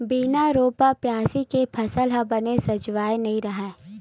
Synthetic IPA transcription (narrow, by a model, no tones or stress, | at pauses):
biːnaɾoːpapjaːsikepʰɐsəlɦɐbɐnesɐd͡ʒʋaːjnɐɦĩɾɐɦɛ̃ː